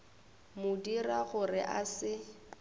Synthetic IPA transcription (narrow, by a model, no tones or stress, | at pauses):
mʊdiraɣʊrɪʔasɪ